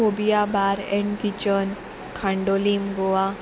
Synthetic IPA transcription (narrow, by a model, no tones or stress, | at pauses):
obijabaɾeɳkit͡ʃən | kʰãɳɖolimɡoa